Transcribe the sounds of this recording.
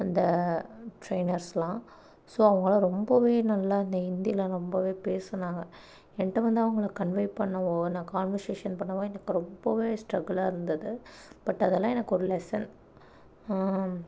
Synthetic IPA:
ɐnd̪ɐʈɾeɪnɐɾslãː | soːɐʋɐŋɡɐɭɐ̃ɾɔmbɐʋeːnɐlːaɐnd̪ɐɪnd̪ɪjɐlãːɾɔmbɐʋeːpeːsɐnaːŋɡɐ | ɛnɐʈːɐʋɐnd̪ɯɐʋɐŋɡɐɭɐkɐɳʋɐɪʈ̚pɐɳːɐʋoːnãːkaːnʋɐɾseːʂɐnpɐɳːɐʋoːɛnɐkːɯɾɔmbɐʋeːsʈɾɐɡɐlaːɪɾɯnd̪ɐðɯpɐʈːɐðɛlːãːɛnɐkːɔɾɯlɛsɐn

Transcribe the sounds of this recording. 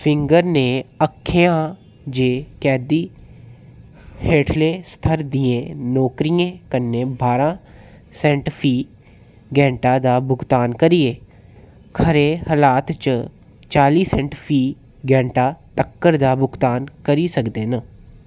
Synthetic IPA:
pʰɪŋɡəɾneːəkʰːeːãː | d͡ʒeːkɛːd̪iː | heːʈʰleːst̪ʰəɾd̪iːẽːnɔːkɾijẽːkənːẽːbaːɾãː | sɛ̃ːɳʈpʰiː | ɡɛ̃ːɳʈaːd̪aːbʊɡt̪aːnkəɾiːeː | kʰəɾeːhəlaːt̪t͡ʃ | t͡ʃaːliːsɛ̃ːɳʈpʰiː | ɡɛ̃ːɳʈaːt̪əkːəɾd̪aːbʊɡt̪aːnkəɾiːsəkd̪eːnə

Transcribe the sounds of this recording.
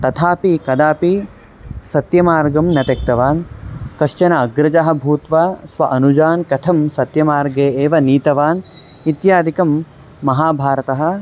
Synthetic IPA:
t̪ɐt̪ʰaːpikɐd̪aːpi | sɐt̪jɐmaːɾɡɐmnɐt̪ɐk̚t̪ɐʋaːnkɐʃt͡ʃɐnɐɐɡɾɐd͡ʒɐɦɐ̆bʱuːt̪ʋɐsʋɐʔɐnud͡ʒaːnkɐt̪ʰɐmsɐt̪jɐmaːɾɡeːeːʋɐniːt̪ɐʋaːn | it̪jaːd̪ʱikɐmː | ɐɦaːbʱaːɾɐt̪ɐɦɐ̆

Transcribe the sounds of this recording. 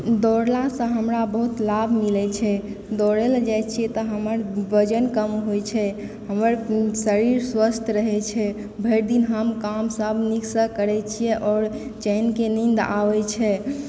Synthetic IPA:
d̪ɔɾlasə̃ɦəmɾabəɦut̪labʱmilɛt͡ʃʰɛ | d̪ɔɾɛld͡ʒajt͡ʃʰijɛt̪ɔɦəməɾbəd͡ʒənkəmɦojt͡ʃʰɛ | ɦəməɾsəɾiɾswəst̪ʰɾəɦɛt͡ʃʰɛ | bʱeɾd̪inɦəmkamsəbʱniksəkəɾɛt͡ʃʰijɛʔɔɾ | t͡ʃɛjnkenind̪a̰ʋɛt͡ʃʰɛ

